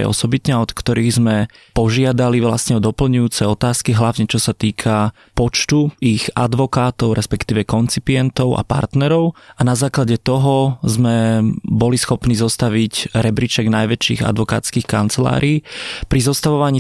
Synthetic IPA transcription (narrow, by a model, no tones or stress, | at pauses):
ɛ̰ɔ̰sɔbit̪ɲɛaɔt̪kt̪ɔɾiːɣzmɛ | pɔʒɪad̪aliʋlasɲɛɔd̪ɔpl̩ɲujuːt͡sɛɔt̪aːskiɦlaʊɲɛt͡ʃɔsat̪iːkʰa | pɔt͡ʃt̪uiɣa̰d̪ʋɔkaːt̪ɔʊɾɛspɛkt̪iːʋɛkɔnt͡sipiɛnt̪ɔʊʔa̰pa̰ɾt̪nɛɾɔʊʔanazaːklaɟɛt̪ɔɦɔzmɛbɔlisxɔpniːzɔst̪aʋiɟɾɛbɾit͡ʃɛɡnajʋɛt͡ʃːḭːɣa̰d̪ʋɔka̰ːt͡skiːxkant͡sɛla̰ːɾʔiːpɾizɔst̪aʋɔʋaɲiː